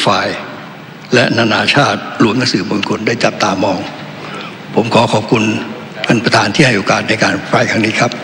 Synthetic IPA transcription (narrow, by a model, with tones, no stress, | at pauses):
faː˧j | lɛ˦˥naː˧naː˧t͡ɕʰaː˥˩t̪̚ɾu˧˦əmna˦˥ŋsɯː˩˦bo˧nkʰo˧ndaː˥˩jt͡ɕa˨˩p̚t̪aː˧mɔː˧ŋ | pʰo˩˦mkʰɔː˩˦kʰɔː˨˩p̚kʰu˧n | kʰa˧npɾa˧t̪ʰaː˧nt̪ʰiː˥˩a˥˩jʔoː˧˩kaː˧˩t̪̚na˧jkaː˧npʰaː˧jkʰa˦˥ŋniː˦˥kʰa˦˥p̚